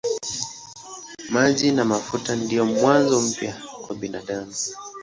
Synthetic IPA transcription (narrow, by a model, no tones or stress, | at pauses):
maʄinamafutandijɔmwanzɔm̩pjakwaɓinaɗamu